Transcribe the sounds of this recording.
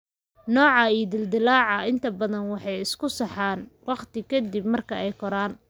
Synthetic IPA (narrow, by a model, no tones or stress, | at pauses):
nɔːʕɑiːd̪ɪld̪ɪlaːʕɑɪnt̪ʰɐbɐðɐnwɑħɑjɪskʰʊsɑħɑːnwɑqt̪ɪkʰɐd̪ib̚mɐrkʰɐʔɛjkʰɔɾaːn